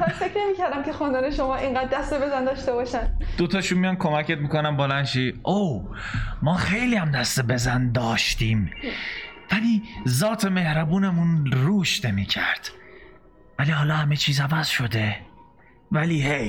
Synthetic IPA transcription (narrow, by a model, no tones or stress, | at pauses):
manfekɾne̞miːcæɾd̪æmce̞xond̪ɒːneʃomɒːʔiŋɢæːd̪̚ːæst̪ebe̞zænd̪ɒːʃt̪ebɒːʃænd̪̥ot̪ʰɒːʃumːijɒnkʰo̞mæcet̪mikonæmbolænʃiʔow | mɒːxe̞jliːhæmd̪æst̪ebe̞zænd̪ɒːʃt̪iːm | væliːzɒːt̪ʰe̞me̞hɾæbuːne̞munɾuːʃne̞miːcʰæɾd̪̥ | væliːhɒːlɒːhæmet͡ʃʰiːzævæz̥ʃo̞d̪e̞ | væliːhej